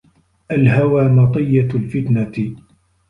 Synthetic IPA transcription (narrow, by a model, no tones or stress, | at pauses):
ʔalɦawaːnɑt̪ˤɨjːalfɪt̪naɪ